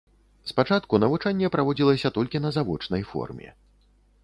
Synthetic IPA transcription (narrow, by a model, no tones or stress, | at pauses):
spat͡ʂat̪kunɐvut͡ʂanʲːɛpɾavɔd͡zʲilˠɐsʲɐt̪ɔlʲkʲin̪ɐzavɔt͡ʂnɐjfɔ̰rmʲɛ̰